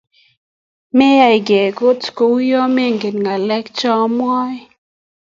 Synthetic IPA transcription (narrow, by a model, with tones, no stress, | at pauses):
mɛ˦ja˨i˨ɡe˨ko˦tko˨˦jɔ˦me˦ŋɡe˨nŋa˨lɛ˦kt͡ʃɔ˦mwɔ˦j